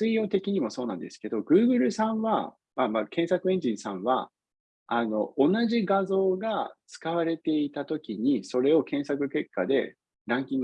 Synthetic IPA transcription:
ɨijo̞ːt̪e̞kʲiɲ̟imo̞so̞ːnãnd̪e̞sɨ̥ke̞d̪o̞ɡɯ̟ːɡɯ̟ɾɯ̟sãɰ̃βa | mamakẽ̞ɰ̃sakɯ̟ẽ̞ɲ̟d͡ʑĩɰ̃sãβa̰ | ano̞ʔonaʑiɡazo̞ːɡat͡sɨ̥kaβaɾe̞t̪e̞it̪at̪o̞kʲiɲ̟iso̞ɾe̞o̞kẽ̞ɰ̃sakɯ̟ke̞kːad̪e̞ | ɾãŋkʲĩŋɡ

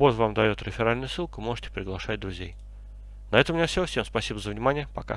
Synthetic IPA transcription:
bozvamd̪ɐjo̞t̪ɾʲɪfʲɪɾalʲnəjəsɨlˠkʊmo̞ʐɨ̥tʲɪ̥pɾʲɪɡlˠɐʂat̚ʲd̪ɾʊzʲej | nɐɛt̪əmʲnʲefsʲofsʲemspɐsʲibəzəvnʲɪmanʲɪjəpɐka̰

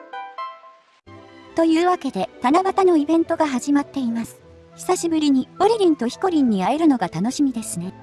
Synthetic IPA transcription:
t̪o̞jɯ̟ːβake̞d̪e̞t̪anaɡat̪ano̞ibẽ̞nt̪o̞ɡaɦaʑimat̪ːe̞imasɨ̥ | çi̥saɕibɯ̟ɾʲiɲ̟io̞ɾʲiɾʲĩnt̪o̞çi̥ko̞ɾʲĩɲ̟ːiaeɾɯ̟no̞ɡat̪anoɕimʲid̪e̞sɨne̞

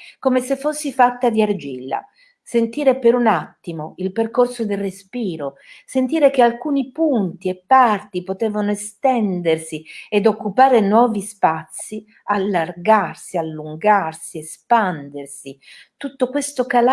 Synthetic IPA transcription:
komesefːosːifat̪ːad̪iard͡ʒilːa̰ | sent̪iːɾepeɾunat̪ːimoilperkorsod̪elrespiːɾosent̪iːɾek̟ealkuːnipunt̪iepːart̪ipot̪ɛːvanoest̪ɛnd̪ersied̪okːupaːɾenwɔːvispat̪sːi | alːarɡarsialːuŋɡarsiespand̪ersi | t̪ut̪ːokwest̪okal

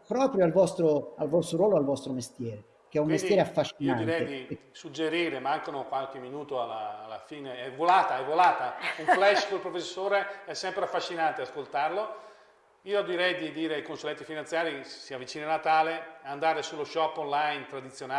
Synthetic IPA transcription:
pɾɔːpɾjoalvɔst̪ɾoalvɔst̪ɾoɾwɔːloalvɔst̪ɾomest̪jɛːɾe | k̟eɛummest̪jɛːɾeafːaʃːinad̪iɾɛjed̪i | sud͡ʒːeɾiːɾemaŋkanokwalk̟emːinuːt̪oalaːlːafiːneɛvolaːt̪aɛvːolaːt̪auɱflɛʃkolpɾofesːoːɾeɛsːɛmpɾeafːaʃːinant̪easkolt̪arlo | iːoad̪iɾɛjd̪id̪iːɾeajkonsulɛnt̪ifinant̪sjaːɾisiavit͡ʃiːnanat̪aːleand̪aːɾesulːoʃɔpːonlajnt̪ɾad̪it̪sːjona

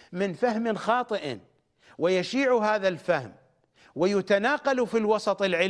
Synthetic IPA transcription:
mɪnfahmɪnxɑːt̪ˤɨʔ | wɪjaʃiːʕuɦaːðalfahm | wɪjʊt̪anaːqɑlufilwɑsˤɑt̪ˤɨlʕɪ

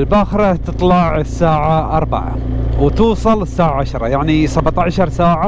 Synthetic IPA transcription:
lbaːxɾˤɑt̪ɨt̪ˤlɑʕɪsːaːʕaʔɑɾˤba̰ʕa̰wt̪uːsˤɑlɪsːaːʕaʕaʃɾˤɑjaʕnisabt̪aʕʃɑɾˤsaːʕa

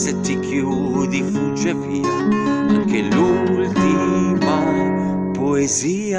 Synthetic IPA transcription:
sɛt̪ːikʰju | d̪ifud͡ʒepi | aŋkelult̪ima | poezi | a

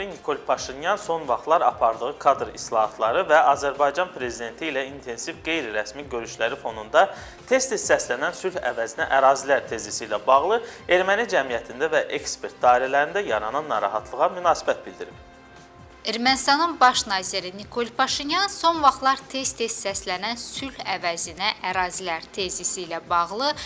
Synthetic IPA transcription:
inikʰo̞lˠpʰɑʃinjɑnso̞nvɑχt̪lˠɑɾɑpʰɑɾd̪ɯʁɯkʰɑd̪ɾislˠɑɦɑt̪ʰlˠɑɾɯvæʔɑzæɾbɑjd͡ʒɑnpʰɾe̞zid̪e̞nt̪ʰiːlæint̪ʰe̞nsivɡe̞jɾiɾæsmiɟø̞ɾyʃlæɾifo̞nund̪ɑ | t̪ʰe̞st̪ʰissæslænænsylhæ̰væzinæʔæɾɑːzilæɾt̪ʰe̞zisilæbɑɣlˠɯe̞ɾmænid͡ʒæmijæt̪ʰind̪ævæʔe̞kspʰe̞ɾt̪̚d̪ɑːiɾælæɾind̪æjɑɾɑnɑnːɑɾɑ̰ɦɑt̪ʰlˠɯʁɑmynɑːsibæt̪̚bild̪iɾib | e̞ɾmænist̪ɑnɯnbɑʃnɑːziɾinikʰo̞lpʰɑʃinjɑnso̞nvɑχlˠɑɾt̪ʰe̞st̪ʰest̪sæslænænsylhævæzinæʔæɾɑːzilæɾt̪ʰe̞zisilæbɑʁlˠɯ

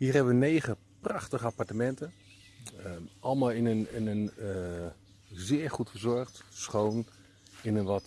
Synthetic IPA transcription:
hiːɹɦɛbəʋənejχə | prɑχtəχəapaɹtəmɛntə | ʔɑlˠmalˠɪnənɪnən | zɪːəɹχutfəzɔɹχtsχown | ɪnənʋɔt

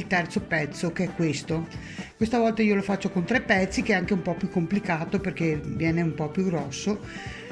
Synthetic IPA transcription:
ilt̪ɛrt̪sopɛt̪sːokeɛkːwest̪o | kwest̪avɔlt̪aiːolofat͡ʃːokont̪ɾepːɛt̪sːikeɛaŋkeumpɔpjukːomplikaːt̪operkevjɛːneumpɔpjuɡɾɔsːo

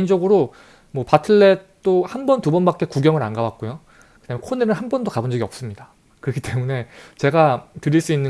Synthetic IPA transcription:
nd͡ʑʌɡɯɾo | mwʌpatʰɯɭːe̞t͈ohambʌntubʌnbak͈e̞kuɡjʌŋɯɾanɡawak̚k͈ojo | kɯd̥amjʌnkʰonenɯnhanbʌndokabond͡ʑʌɡiʌp̚s͈ɯmɲida | kɯɾʌkʰi̥t͈e̞mune̞t͡ɕe̞ɡatɯɾiɭs͈uinːɯ

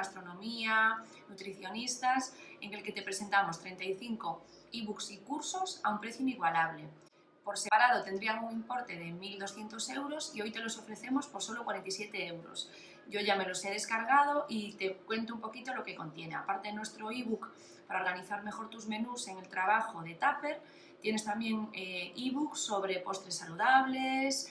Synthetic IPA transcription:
ast̪ɾo̞nõ̞mia | nut̪ɾiθjo̞nist̪ase̞ŋe̞lke̞t̪e̞pɾe̞se̞nt̪amo̞st̪ɾe̞nt̪aiθiŋko̞ | iβuksikuɾso̞saumpɾe̞θjuiniɣwalaβ̞le̞ | po̞ɾsepaɾað̞o̞t̪end̪ɾialɣuŋimpo̞ɾt̪e̞ð̞e̞mild̪o̞sθje̞nt̪o̞se̞wɾo̞sio̞jt̪e̞lo̞so̞fɾe̞θe̞mo̞spoɾso̞lo̞kwaɾent̪isje̞t̪e̞ewɾo̰s | ɟ͡ʝo̞ʝame̞lo̞seð̞e̞skaɾɣ̞að̞o̞ʔit̪e̞kwe̞nt̪oumpo̞kit̪olo̞ke̞ko̞nt̪je̞ne̞a̰paɾt̪eðenwe̞st̪ɾo̞iβuk | paɾaoɾɣaniθaɾme̞xo̞ɾt̪uzmẽ̞nuse̞ŋe̞lt̪ɾaβ̞axoðe̞t̪ape̞ɾ | t̪je̞ne̞st̪ambje̞ŋeiβukso̞βɾe̞po̞st̪ɾesːaluðaβ̞les

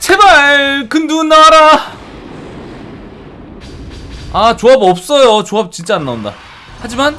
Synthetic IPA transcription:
t͡ɕʰebakɯndunːaɾa | at͡ɕoabʌp̚s͈ʌjot͡ɕoap̚t͡ɕint͡ɕ͈aːnːaunda̰ | had͡ʑiman

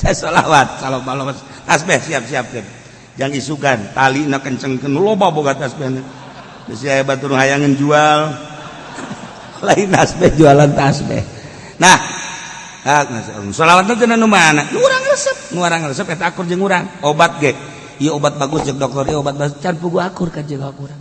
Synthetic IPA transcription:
tasola̰wat̪̚salobalobas | t̪asbɛhsiap̚siap̚kən | d͡ʒaŋisukant̪alinakəɲt͡ʃəŋkənːulobaboɡat̪asbɛhna | dəsiaabat̪unuɦajaŋənd͡ʒual | laint̪asbɛhd͡ʒualant̪asbɛ̰h | nah | ak̚nassolawat̪̚nat̪ənanumanaʔnuuɾaŋrəsəp̚nuaɾaŋɾəsəpɛt̪aakʊrd͡ʒəŋuɾaŋobat̪̚ɡɛʔ | ijɛobat̪̚baɡʊsd͡ʒak̚dɔk̚t̪ɔɾijɛobat̪̚baʊt͡ʃanpuɡuakʊrkand͡ʒɡawakuɾaŋ

